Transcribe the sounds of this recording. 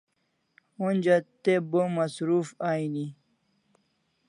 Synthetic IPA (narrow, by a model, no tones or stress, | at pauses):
unʲd͡ʑat̪ebomɐsɾufaːini